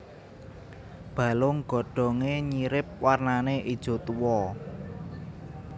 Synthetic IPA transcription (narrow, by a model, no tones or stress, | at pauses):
b̥a̤lʊŋɡ̥ɔ̤ɖ̥ɔ̤ŋeɲiɾɪp̚warnaneʔid̥ʒ̥o̤t̪uwɔ